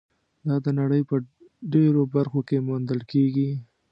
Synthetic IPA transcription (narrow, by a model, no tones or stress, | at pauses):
d̪ɑd̪ənaɽəjpə | ɖeɾobaɾxokemond̪əlkeɡi